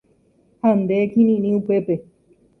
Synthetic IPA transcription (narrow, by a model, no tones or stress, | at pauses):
hand̪ekĩnĩnĩũpepe